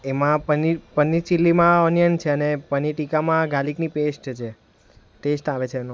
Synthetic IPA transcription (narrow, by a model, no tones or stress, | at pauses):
emãpənipənit͡ʃilːimãɔnijənt͡ʃʰeənepəniʈikamãɡʱaliknipesʈt͡ʃʰe | t̪esʈaʋet͡ʃʰeːno